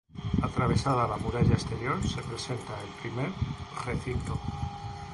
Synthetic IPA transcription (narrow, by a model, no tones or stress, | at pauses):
at̪ɾaβ̞e̞sað̞alamuɾaʎaest̪e̞ɾjo̞ɾse̞pɾe̞se̞nt̪aelpɾime̞ɾre̞θint̪o